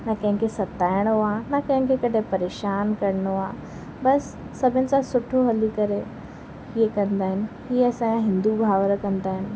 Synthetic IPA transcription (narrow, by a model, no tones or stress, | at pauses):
nakɐ̃ɦɪ̃ŋkʰesɐt̪aːɪɽ̃oaːnakɐ̃ɦɪ̃kʰekɐɗʱẽpɐɾeːʃaːnkɐɾɪɽ̃oaː | bɐsː | ɐbʱɪnɪ̆sãsʊʈʰoɦɐlikɐɾe | hiekɐ̃nd̪aːɦɪnɪ̆ɦiːɐsãɦɪ̃nd̪ubʱaːʋəɾkɐ̃nd̪aːɦɪnɪ̆